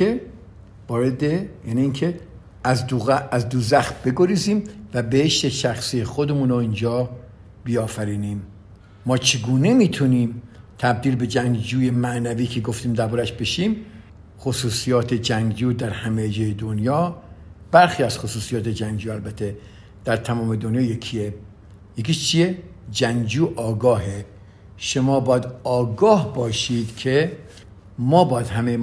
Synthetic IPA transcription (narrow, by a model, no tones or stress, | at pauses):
e | vɒːɾed̪ejæniiːncʰe | zuæzd̪uzæxt̪b̥e̞ɡo̞ɾiːziːmvæbeheʃt̪eʃæxsiːexod̪emuːnoind͡ʒɒː | b̥iɒːfæɾiːniːmː | ɒːt͡ʃʰeɡuːne̞miːt̪ʰuniːmt̪ʰæb̚d̪iːlbe̞d͡ʒæŋɡd͡ʒuːje̞mæʔnæviːkʰe̞ɡoft̪iːmd̪æbuɾæʃbe̞ʃiːm | xosuːsijɒːt̪ʰed͡ʒæŋɡd͡ʒuːd̪æɾhæmejd͡ʒɒːjed̪onjɒːb̥æɾxiːæz̥xosuːsijɒːt̪ed͡ʒæŋɡd͡ʒuːælbæt̪ʰe | d̪̥æɾt̪ʰæmɒːme̞d̪onjɒːjekʰie | jekiːʃt͡ʃʰied͡ʒæŋɡd͡ʒuːʔɒːɡɒːɦe | ʃomɒːbɒːjæd̪ɒːɡɒːhbɒːʃiːd̪kʰe | mɒːbɒːjæd̪hæmej